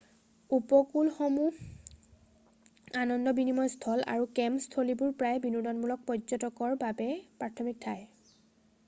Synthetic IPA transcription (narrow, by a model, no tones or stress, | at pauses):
upɔkulxɔmu | anɔndɔbinimɔjstʰɔla̰ɹukɛmstʰolibʊɹpɹajbinudɔnmulɔk̚pɔzɔtɔkɔɹbabɛpɹatʰɔmik̚tʰaj